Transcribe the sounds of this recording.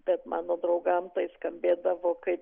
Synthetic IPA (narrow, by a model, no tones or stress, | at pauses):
b̥ʲɛt̪mɑ̰ːnoːd̪ɾɐʊɡɐmt̪ɐɪskɐmʲbʲeːd̪ɐʋoːkɐɪp